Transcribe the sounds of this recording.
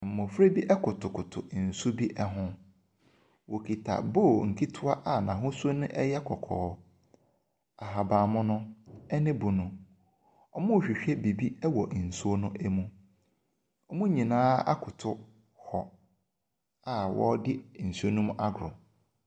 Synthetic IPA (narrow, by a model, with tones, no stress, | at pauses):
m̩˨mʊ̃˨fɾe˦bi˦ʔɛ˦kʰʊ˨tʰʊ˨kʊ˨tʰʊ̰˨n̩˨sʊ˦bi˦ʔɛ˦ɦʊ̃˦ | wo˨kʰi˨tʰa̰˨bo˦˨ŋ̩˨kʰi˦tʰʊ˦a˦ʔa˨nã̰˨ɦʊ̃˦su˦o˦nʊ̃˦ʔɛ˦jɛ˦kʰɔ˨kʰɔ̰ː˨˦ | a˨ɦa˨bãː˨mʊ̃˦nʊ̃˦ɛ˦nɪ̃˦bʊ˨nʊ̃˨ | ɔ˦mʊ̃˦˨ɕᶣi˨ɕᶣɛ˦bi˨bi˦ɛ˦wɔ˨ʔn̩˨su˦o˦nʊ̃˦ʔɛ˦mũ˦ | ɔ˨mʊ̃˦ɲĩ˨nãː˦a̰˦kʰʊ˨tʰʊ˦ | hɔ˨ | a˨wʔɔ̰˦dɪ˦n̩˨so˦nʊ̃˦m̃˦ʔa˦ɡɾʊ˨m